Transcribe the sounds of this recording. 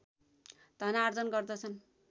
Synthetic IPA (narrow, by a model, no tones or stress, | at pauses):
d̪ʱʌnard͡zʌnɡʌrd̪ʌt͡sʰʌn